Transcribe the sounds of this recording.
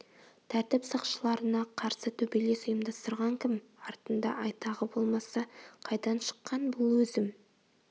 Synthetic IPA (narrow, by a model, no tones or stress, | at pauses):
t̪ʰæɾt̪ɪpsəqʃəlˠɑɾənɑqʰɑɾsət̪ʰɵbele̞sʊjəmd̪ɑst̪əɾʁɑŋkʲʰɪmɑɾt̪ənd̪ɑ̰ʔɑjt̪ɑʁəbo̞lˠmɑsɑqʰɑjd̪ɑnʃə̥qːɑnbʊlˠwɵzɪm